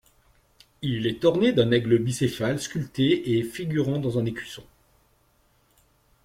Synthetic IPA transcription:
ilɛt̪ɔʁned̪ɛ̃nɛɡləbisefalskʲylt̪eefiɡʲyʁɑ̃d̪ɑ̃zɛ̃nekʲi̥sɔ̃

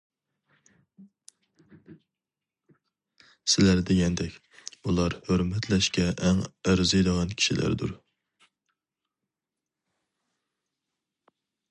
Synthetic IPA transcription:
sɪlæɾd̪eɡʲɛnd̪ɛkʲ | ulˠɑɾhøɾmɛt̪ʰlɛʃkʲɛʔɛŋæɾzɨjd̪əʁɑnkʲʰi̥ʃilʔæ̰ɾd̪ṵɾ

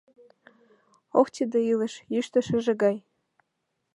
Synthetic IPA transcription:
okt͡ɕid̪ĕilə̆ʃjyʃt̪ə̆ʃə̆ʒĕɡɑj

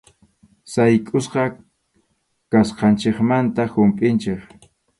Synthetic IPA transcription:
sajkʼʊsqɑ | kasqɑnt͡ʃeχmant̪ahʊmpʼɪnt͡ʃeχ

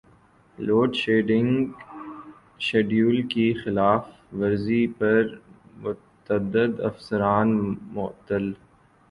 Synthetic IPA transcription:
loːɖʃeːɖɪ̃ŋɡ | ʃeːɖjuːlkixɪlaːf | ʋɐɾzipɐɾmʊt̪əd̪əd̪ɐ̰fsəɾaːnmʊ̰t̪əl

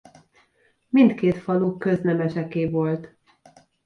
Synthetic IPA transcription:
mint̪keːt̪fɒluːkːøznɛmɛʃɛkeːvo̞lt̪

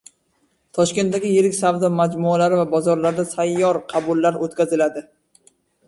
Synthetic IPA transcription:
t̪ʰɒʃkʲe̞nt̪d̪aɡʲɪjeɾɪkʲsavd̪ɒmad͡ʒmʊalaɾɪvabɒzɒɾlaɾd̪asajːɒɾqʰɑbʊlːaɾot̪kʲʰazɪlad̪ɪ

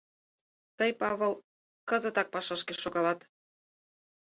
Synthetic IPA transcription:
t̪ɤjpɑβɤ̆l | kɤ̆zə̆t̪ɑk̚pɑʃɑʃkeʃoɣɑlɑt̪

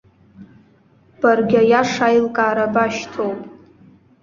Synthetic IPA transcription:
b̥arɡʲajaʂajlkʼaːɾabaʃtʰowpʼ

